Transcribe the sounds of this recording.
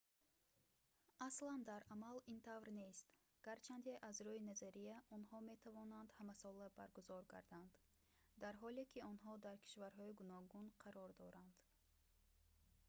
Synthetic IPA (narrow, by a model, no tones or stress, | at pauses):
asland̪aɾamalint̪ʰavɾne̞st̪ | ɡ̥aɾt͡ʃʰand̪eʔazɾɔinazaɾijaʔɔnhɔme̞t̪ʰavɔnand̪hamasɔlabaɾɡuzɔɾɡa̰ɾd̪and̪̥ | d̪aɾɦɔlekʰiɔnɦɔd̪aɾkʰi̥ʃvaɾɦɔiɡunɔɡunqʰaɾɔɾd̪ɔɾand̪̥